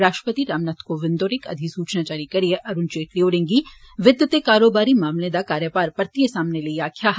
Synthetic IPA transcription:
ɾaːʃʈɾəpət̪iɾaːmnaːt̪ʰkoʋɪ̃nd̪oːɾɪkɐ̰d̪ʱisuːt͡ʃnaːt͡ʃaːɾikɐɾieʔɐɾʊnt͡ʃeːʈlioːɾɪ̃ŋɡiʋɪd̪ʱjət̪ekaːɾoːbaːɾimaːmlẽd̪akaːɾjəpaːɾpɐɾt̪iesaːmneliiaːkʰjaɦ

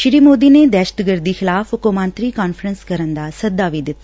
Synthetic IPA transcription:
ʃɾiːmoːd̪iːneːd̪ɛːʃət̪ɡəɾd̪iːxɪlaːfʊkomãːnt̪ɾiːkaːnfʰɾənskəɾənd̪aːsəd̪aːʋiːd̪ɪt̪ːa

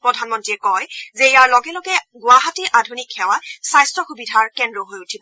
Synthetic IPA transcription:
pɹɔdʱanmɔntɹiɛkɔjzɛijaɹlɔɡɛlɔɡɛɡʊaɦatiʔadʱunikxɛwasajstɹɔxubidʱaɹkɛndɹɔɦojutʰibɔ

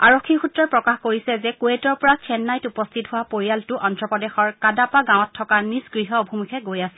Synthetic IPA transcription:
a̰ɹokʰːixutɹɔɹpɹɔkaxkoɹisɛzɛkuetɔɹpɔɹat͡ʃʰɛnːajtupɔstʰitɦʊwapoɹijaltʊʔɔntɹɔpɔdɛxɔɹkadapaɡãw̃ɔtʰːɔkanisɡɹiɦɔobʱimukʰɛɡojasi̥l

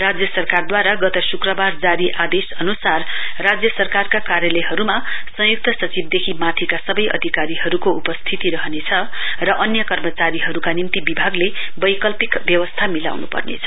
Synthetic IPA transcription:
rad͡zjʌsʌrkard̪waɾaɡʌt̪ʌsukrʌbard͡zaɾiʔad̪esʌnusarːad͡zjʌsʌrkarkakaɾjʌlʌjɦʌɾumasʌ̃juk̚t̪ʌsʌt͡sib̚d̪ekʰimat̪ʰikasʌbʌjʌ̰d̪ʱikaɾiɦʌɾukoupʌst̪ʰit̪iɾʌɦʌnet͡sʰʌ | rʌʔʌnjʌkʌrmʌt͡saɾiɦʌɾukanimt̪ibibʱaɡle | bʌjkʌlpikbjʌwʌst̪ʰamila̰wnupʌ̰rnḛt͡sʰʌ

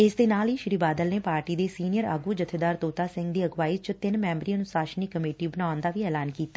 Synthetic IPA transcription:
ɪsd̪eːnaːliːʃɾiːbaːd̪əlneːpaːɾʈiːd̪eːsiːnijəɾa̰ːɡuːd͡ʒət̪ʰeːd̪aːɾt̪oːt̪aːsɪ̃ŋɡd̪iːəɡʋaːit͡ʃt̪ɪnmɛːmbɾiːənʊsaːʃniːkəmeːʈiːbənaːʊnd̪aːʋiːɛːlaːnkiːt̪ːaː

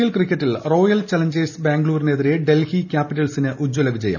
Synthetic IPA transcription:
jɐlkrikʲːɐtːilro̞ːjɐlt͡ɕɐlɐɲd͡ʑeːsbaːŋɡluːɾineðiɾe̞ɖelhikʲaːpːiʈːɐlsinɨʔud͡ʑːolɐʋid͡ʑɐjɐ̰m

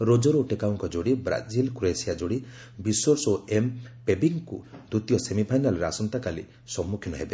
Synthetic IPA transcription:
ɾod͡ʒɔɾoʈekaɔŋkɔd͡ʒoɽibɾa̰d͡ʒilkɾuesiad͡ʒoɽi | bisɔɾsoempebiŋkud̪ut̪jɔsemipʰajnalɔɾeasɔnt̪akalḭ | sɔmːukʰjinɔɦebe

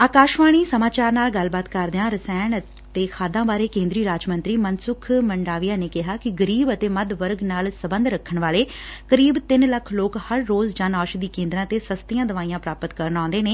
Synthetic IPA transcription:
aːkaːʃʋaːɽ̃iːsəmaːt͡ʃaːɾnaːlɡəlbaːt̪kəɾd̪eãːɾəsɛːɳ | t̪eːkʰaːd̪ãːbaːɾeːkẽːnd̪ɾiːɾaːd͡ʒmə̃nt̪ɾiːmənsʊkʰməɳɖaːʋijãːneːkɪɦaːkɪɡəɾiːbət̪eːməd̪ʋəɾɡnaːlsəbə̃nd̪ɾəkʰːəɳʋaːleː | kəɾiːbt̪ɪnləkʰloːkhəɾːoːzd͡ʒaːnaːʃd̪iːkẽːnd̪ɾãːt̪eːsəst̪ijãːd̪əʋaːijãːpɾaːpət̪kəɾənãːnd̪eːneː

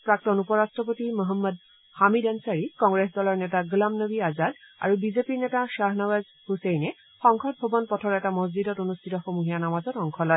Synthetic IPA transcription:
pɹak̚tɔnupɔɹastɹɔpotimɔɦɔmːɔd | hamidansaɹikɔŋɡɹesdɔlɔɹnɛtaɡulamnəbiazada̰ɹubizepiɹnɛtaʃaɦnaɡaz | husejnɛ | xɔŋkʰɔt̚bʱɔbɔnpɔtʰɔɹɛtamɔzzidɔtonustʰitɔxomuɦijanamazɔtɔŋkʰɔlɔj

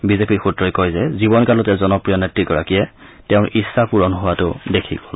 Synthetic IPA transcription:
bizepiɹxutɹɔjkojzɛzibɔnkalɔtɛzɔnɔpɹijɔnetɹiɡɔɹakijɛ | tɛʊ̃nʔisːapuɹɔnɦʊwatʊdekʰḭɡɔl

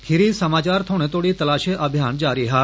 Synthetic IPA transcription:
kʰɪɾisəmaːt͡ʃaɾt̪ʰoñet̪oɽit̪əlaːʃeʔəbʱjand͡ʒaːɾiɦa

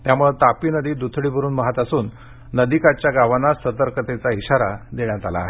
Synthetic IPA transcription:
t̪jamuɭet̪apiːnəd̪iːd̪ut̪ʰɽiːbʱəɾuːnmaɦat̪asuːnː | əd̪ikat͡ɕjaɡaʋanasət̪əɾkət̪et͡saiɕaɾad̪eɳjat̪ala̰ːɦe

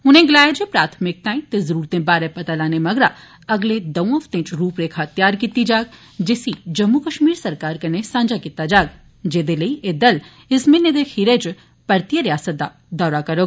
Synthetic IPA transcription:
ʊnẽɡlaːjed͡ʒepɾaːt̪ʰmɪk̚t̪ãːĩt̪ezəɾuːɾt̪ẽbaːɾɛpɐt̪alaːnemɐɡɾa | ɐɡled̪ɐʋõɐfʰt̪ẽːt͡ʃɾuːpɾeːkʰɐt̪jaːɾkit̪id͡ʒaːɡ | d͡ʒesid͡ʒɐmːukəʃmiːɾsɐɾkaːɾkɐnesãːd͡ʒakit̪ːad͡ʒaːɡ | d͡ʒeːd̪elɐiʔed̪ɐl | ɪsmẽned̪exʰiːɾet͡ʃ | pɐɾt̪ijəɾjaːsət̪̚d̪a̰ | d̪ɔːɾakɐɾoːɡ

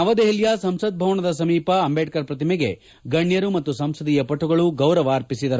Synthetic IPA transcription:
ɐʋɐd̪eɦiljasɐmsɐd̪̚bʱɐʋɐɳɐd̪ɐs̬ɐmiːpɐɐmbeːʈkɐɾpɾɐt̪imɛɡe̞̰ | ɡɐɳjɐɾumɐt̪ːusɐmsɐd̪ijɐpɐʈʰːuɡɐɭuɡɐwɾɐʋaːɾpisid̪ɐɾ

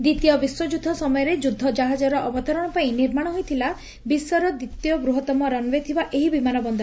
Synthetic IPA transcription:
d̪it̪ijɔbiswɔd͡ʒud̪ʱːɔsɔmɔjɔɾed͡ʒud̪ʱːɔd͡ʒaɦad͡ʒɔɾɔʔɔbɔt̪ɔɾɔɽ̃ɔpaĩniɾmaɽ̃ɔɦojt̪ʰila | bisɔɾɔd̪it̪ijɔbɾuɦɔt̪ɔmɔɾɔnbet̪ʰibaʔeɦibimanɔbɔnd̪ɔ

